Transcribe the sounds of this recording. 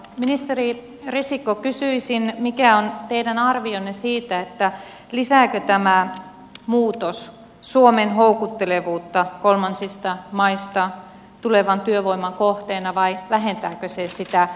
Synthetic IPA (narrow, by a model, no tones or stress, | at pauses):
minist̪eri | risikːˑokysyisinmikæont̪eidænɑrʋionːesiːt̪æet̪ːæ | lisæːkøt̪æmæ | muːt̪os | suomenɦoukut̪ːeleʋuːt̪ːɑkolmɑnsist̪ɑmɑist̪ɑ | t̪uleʋɑnt̪yøʋoimːɑŋkoht̪eːnɑʋɑiʋæɦent̪æːkøsesit̪æ